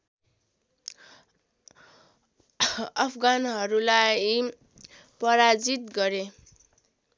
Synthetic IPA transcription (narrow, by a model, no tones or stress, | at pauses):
ʌpʰɡanɦʌɾulaj | pʌɾad͡zit̪ɡʌɾe